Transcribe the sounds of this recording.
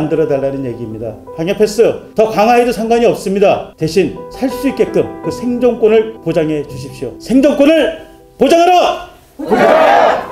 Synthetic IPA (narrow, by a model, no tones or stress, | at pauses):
ndɯɾʌdaɭːanɯnje̞ɡiːmɲida | paŋjʌpʰe̞s͈ɯtʌkaŋɦaedɯsʰaŋɡwaɲiʌp̚s͈ɯmɲidate̞ɕʰinsʰaɭs͈uik͈e̞k͈ɯmkɯsʰe̞ŋd͡ʑoŋk͈onɯɭpod͡ʑaŋɦe̞d͡ʑuɕʰip̚ɕ͈iosʰe̞ŋd͡ʑʌŋk͈onɯɭ | pod͡ʑaŋɦaɾa